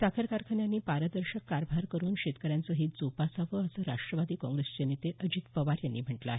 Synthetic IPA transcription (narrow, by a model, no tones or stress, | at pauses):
sakʰəɾkaɾkʰəɳjanːiːpaɾəd̪əɾɕəkːaɾbʱaɾkəɾuːnɕet̪kəɾjant͡səɦiːt̪̚d͡zopasaʋəəsəɾaʂʈɾəʋad̪iːkɔ̃ŋɡɾest͡ɕenit̪eʔəd͡ʑiːt̪pəʋaɾjanːiːm̤əʈlaaːɦe